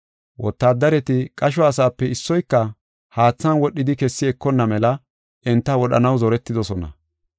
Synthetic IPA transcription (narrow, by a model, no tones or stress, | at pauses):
wʔɔt̪ːaːd̪ːɐɾɛt̪ɪkʼɐʃ̬ɔɐsaːpːɛɪsːɔjkːɐ | haːt͡sːɐnwɔɗːɪd̪ɪkɛsːɪɛkːɔnːɐmɛlɐ | ʔɛnt̪ːɐwɔɗɐ̰nɐwzɔɾɛt̪ːɪd̪ɔsɔnɐ̰